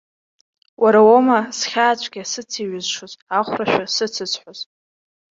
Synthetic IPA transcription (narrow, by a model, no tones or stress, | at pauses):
waɾawomasχʲaːt͡ɕʷʰʼɡʲasɨt͡sʰiɥɪzʂozaχʷraʃᶣasɨt͡sʰɨt͡sʰħʷoz